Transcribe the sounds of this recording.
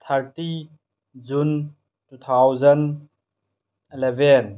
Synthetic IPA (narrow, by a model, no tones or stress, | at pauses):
t̪ʰɐɾti | zun | tut̪ʰawzɐn | ilɛvɛn